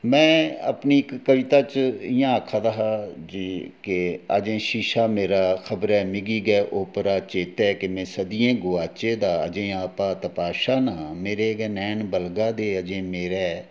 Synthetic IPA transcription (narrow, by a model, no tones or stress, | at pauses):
mɛ̃ːə̰pniːɪkːəʋɪt̪aːt͡ʃɪjãːəkʰaːd̪aːɦaːd͡ʒiːkeə̰d͡ʒẽːʃiːʃaːmeːɾaːxʰəbɾɛːmɪɡiːɡɛːʔoːpəɾaːt͡ʃeːt̪ɛːkemɛ̃ːsəd̪iːẽːɡoːaːt͡ʃeːd̪aːə̰d͡ʒẽːaːpãːt̪əpaːʃaːnãːmeːɾeːɡɛːnɛːnbəlɡaːd̪eːəd͡ʒẽːmeːɾɛː